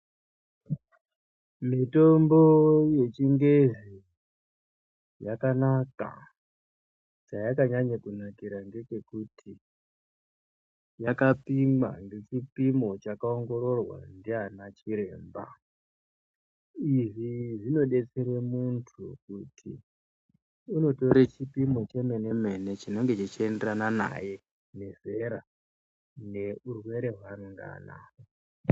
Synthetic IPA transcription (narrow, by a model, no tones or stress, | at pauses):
mito̞mboje̞t͡ʃiŋɡeʐi | jakanaka̰ | t͡ʃajakaɲaɲakunakiɾaŋɡe̞ke̞kutʰi | jakapima̰ŋɡe̞t͡ʃipimo̞t͡ʃakao̞ŋɡo̞ɾo̞rwa̰ndianat͡ʃiɾe̞ːmba | iʐiʐino̞ɗe̞t͡seɾemuntʰukutʰi | uno̞to̞ɾet͡ʃipimo̞t͡ʃe̞me̞ne̞me̞ne̞t͡ʃino̞ŋɡe̞t͡ʃit͡ʃie̞nderanana̰je̞ | ne̞ze̞ɾa | ne̞urwe̞ɾe̞ɦwaŋɡa̰ːna̰